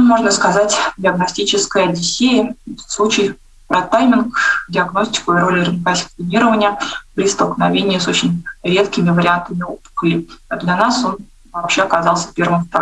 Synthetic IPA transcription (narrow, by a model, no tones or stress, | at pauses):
mo̞ʐnəskɐzatʲdʲɪɐɡnɐsʲtʲit͡ɕɪskəjədʲɪsʲejəslˠut͡ɕɪj | pɾɐt̪ːajmʲɪnkdʲɪɐɡno̞sʲtʲɪ̥kʊɪɾo̞lʲɪɾɨnkasʲɪ̥kt̪ˠɪnʲiɾəvənʲɪjəpɾʲɪst̪əlˠknɐvʲenʲɪjəso̞t͡ɕɪnʲɾʲe̞t̪kʲɪmʲɪvəɾʲɪant̪əmʲɪopə̥xlʲɪd̪lʲɐnaso̞n | vɐpɕːeɐkɐzɑlˠsʲə̥pʲe̞rvɨmsp̪ɾa